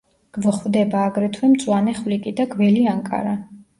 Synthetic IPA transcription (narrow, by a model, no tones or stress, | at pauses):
ɡ̥vɔχvd̪ɛbaːɡɾɛt̪ʰwɛmt̪sʼwanɛχvlikʼid̪aɡvɛliaŋkʼa̰ɾa